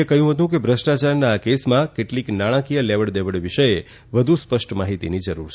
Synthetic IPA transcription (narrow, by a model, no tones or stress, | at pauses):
ekəɦjũɦət̪̬ũkebʱɾəʃʈat͡ʃaɾnaːkesmãkeʈliknaɽ̃ãkijəleʋəɽd̪eʋəɽʋiʃəje | ʋəd̪ʱuspəʃʈmaɦit̪inid͡ʒəɾuɾt͡ʃʰ